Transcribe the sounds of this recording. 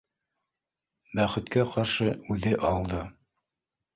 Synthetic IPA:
bæχɘ̆t̪kæqɑɾʃɤʉðɘʔɑlˠd̪ɤ

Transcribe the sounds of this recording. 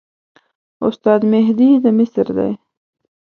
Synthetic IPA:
ʊ̰st̪ɑd̪mɪɦd̪id̪əmɪsɾd̪a̰j

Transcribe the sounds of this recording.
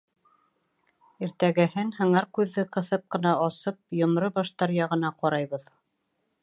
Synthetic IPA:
iɾt̪æɡæhɘnhɤ̆ɴɑɾkʉðːɘqɤ̆θɤp̚qɤ̆nɑɑsɤp̚jŏnɾɤbɑʃt̪ɑɾjɑʁɤ̆nɑqɒɾɑjβɤð

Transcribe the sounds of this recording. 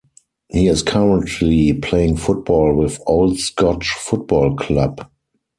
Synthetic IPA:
hiːɪskʰaɹə̃ntʰlipʰleɪɪ̃ŋfʊt̚b̥ɔːlwɪðoʊldskʰɔt͡ʃfʊt̚b̥ɔlkʰlab

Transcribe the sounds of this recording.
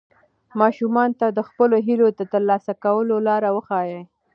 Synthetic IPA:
mɑʃumɑnt̪ad̪əxpəloɦilod̪ət̪əɾlɑsakawəlolɑɾawəxɑjəj

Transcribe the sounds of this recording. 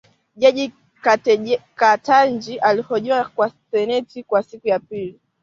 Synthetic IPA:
ʄaʄi | kakatand͡ʒiʔalihɔʄuakwasɛnɛtikwasikujapili

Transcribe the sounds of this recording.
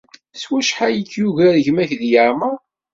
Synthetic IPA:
swæʃħajəkjuʝæðʝmæçðjəɾˤma

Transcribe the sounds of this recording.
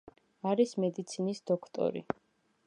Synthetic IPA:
aɾismɛd̪it̪sʰinisd̪ɔkʰt̪ʼɔ̰ɾḭ

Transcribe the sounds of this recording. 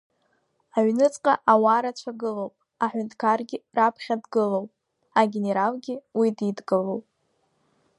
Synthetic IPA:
aɥnɨt͡sʼqʼaʔawaːɾat͡ʃʷʰaɡɨlowpʼ | aħʷᶣʊntʰʼkʰarɡʲɪrapʰχʲadɡɨlowpʼ | aɡʲe̞ne̞ɾalɡʲɪwididɡɨlowpʼ

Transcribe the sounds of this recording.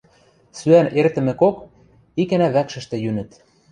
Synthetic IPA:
syænert̪ɘ̆mɘ̆kok | ikænæβækʃɘ̆ʃt̪ĕjynɘ̆t̪

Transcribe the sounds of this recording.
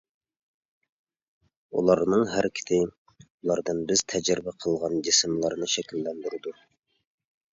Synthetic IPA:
ṵlˠɑɾnɨŋɦæɾkʲʰɪ̥t̪ʰɪ | ulˠɑɾd̪ɨnbɪz̥t̪ʰɛd͡ʒɪɾɪbɛqʰəlˠʁɑnd͡ʒɪsɪmlˠɑɾnɨʃɛkʲilːɛnd̪yɾɪd̪u

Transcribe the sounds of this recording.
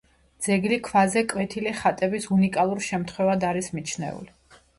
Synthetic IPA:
d̪z̥ɛɡlikʰvazɛkʼwɛt̪ʰiliχat̪ʼɛbisunikʼalˠuɾʃɛmt̪ʰχwɛvad̪aɾismit͡ʃʰnɛ̰ṵli

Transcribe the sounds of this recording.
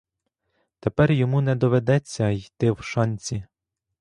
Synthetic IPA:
t̪epɛrjɔmunɛd̪ɔʋed̪ɛt͡sʲːɐjt̪ɪwʃɑnʲt͡sʲi

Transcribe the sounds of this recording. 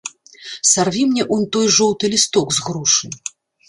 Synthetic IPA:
sarvʲimnʲɛʔunt̪ɔjʐɔwt̪ɨlʲist̪ɔɡzɣɾuʂɨ

